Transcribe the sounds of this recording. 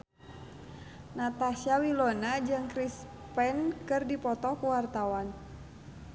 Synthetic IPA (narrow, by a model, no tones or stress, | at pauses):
nat̪asiawilonad͡ʒɨŋkɾis | pɛnkɨrdipɔt̪ɔkuwart̪awan